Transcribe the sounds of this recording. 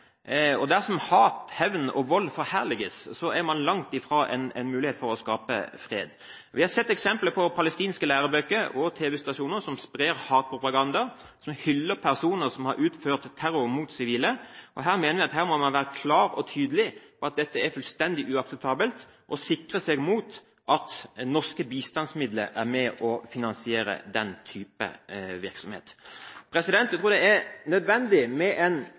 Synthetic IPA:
ɔd̪æsɔmhɑːt̪hɛʋnɔ̰ʋɔlːfɔɾhæʁlɪɡəssɔæɾmɑnlɑŋt̪ɪfɾoːʔɛnɛ̰nmʉːlɪheːt̪fɔɾɔskɑːpə̰fʁḛːd̪ | ʋɪhɑsɛt̪ːɛksɛmpləpʰɔpʰɑləst̪iːnskəlæːɾəbøkːəɾɔt̪ʰeːʋɛst̪ɑʂuːnəɾsɔmspʁeːʁhɑːt̪̚pʰʁʊpɑɡɑnd̪ɑ | sɔmhʏlːəpʰæʁsuːnəɾsɔmhɑɾʔʉːt̪føːʁt̪ʰːæɾʊmuːt̪sɪʋiːləʔɔɦæːʁmeːnəʋɪɑt̪hæːɾmɔmɑnʋæːɾəkʰlɑːɾɔ̰t̪ʰyːd̪əlɪɔɑt̪̚d̪ɛt̪ːəæfʉlst̪ɛnd̪ɪʔʉɑksɛp̚t̪ʰɑːbəlt̪ | ʔɔsɪkʁəsɛɡmuːt̪ | ʔɑt̪nɔʁskəbiːst̪ɑnsmɪd̪lə̰ʔæʁmɛʔɔfɪnɑnsɪeːɾə̰d̪ɛnt̪ʰyːpə̰ʋɪɾksɔmhḛːt̪pʰɾɛsɪd̪ɛnt̪ːjæɪt̪ʰuːd̪ɛæɾnœd̪ʋɛnd̪ɪmɛʔɛn

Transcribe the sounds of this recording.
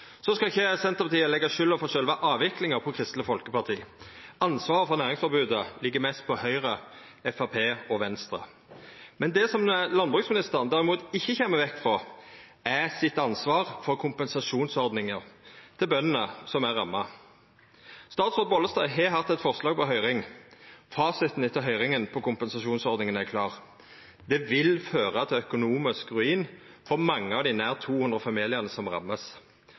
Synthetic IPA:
sɔskɑɪçːəsɛnt̪əpɑt̪ʰiːəlɛɡːɑʃʏlːəfɔʃœlʋɑʔɑːʋɪklɪŋəʁpʰɔkʰʁɪst̪ləfɔlkəpɑʁt̪ʰḭːɑnsʋɑːʁəfɔʁnæːʁɪŋsfɔɾbʉːd̪əlɪɡːəmɛst̪̚pʰɔhœʏʁə | ɛfɑpʰeːɔʋɛnst̪ɾə̰ | mɛnd̪ɛsɔmlɑnbʁʉːksmɪnɪst̪əʁnd̪æʁɪmuːt̪ɪçːəçeməʋɛkːfʁɔ | æsɪt̪ːɑnsʋɑːʁfɔʁkʰʊmpɛnsɑʃuːnsɔʁd̪nɪŋəʁt̪ʰɪlbœnːənəsɔmæʁːɑmːɑ | st̪ɑːt̪sʁoːd̪̚bɔləst̪ɑːɪɦɛɦɑt̪ːɛt̪fɔʁslɑːɡ̚pʰɔɦœʏʁɪŋfɑːsɪt̪n̩ɪt̪ʰːəɦœʏʁɪŋənpʰɔkʊmpɛnsɑʂuːnsɔʁd̪nɪŋənækʰlɑːʁ | d̪̥ɛʋɪlføːʁəɑt̪ʰɛœkʊnuːmɪskʁʉiːn | fɔʁmɑŋːəɑʋd̪ɪnæːʁt̪ʰuːhʉnd̪ʁəfɑmiːlɪəʁnəsɔmʁɑ̰mːəs

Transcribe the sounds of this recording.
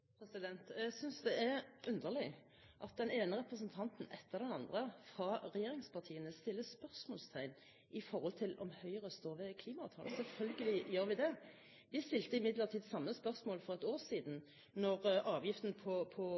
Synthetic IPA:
pʰɾɛsɪd̪ɛnt̪æsʏnsd̪ɛɛɾʉnd̪əʁlɪ | ʔɑt̪̚d̪ɛneːnəɾɛpɾəsənt̪ʰɑnt̪n̩ɛt̪ʰːəʁd̪ɛnɑnd̪ʁəfʁɑʁɛjeːɾɪŋspʰɑt̪ʰiːənəst̪ɪlːəspœʁsmoːlst̪ʰæɪn | ɪfɔɾhɔlt̪ʰɪlɔ̰mhœʏʁəst̪oːʁʋɛkʰliːmɑɑːt̪ʰɑːlsɛlfœlɡəlɪjøːʁɾʋɪd̪ɛ | ʋɪst̪ɪlt̪əɪmɪd̪ləʁt̪ʰiːd̪sɑmːəspœʁsmoːlfɔʁɛt̪oːʁsiːd̪n̩ | nɔʁɑːʋjɪft̪n̩pʰɔpʰɔ

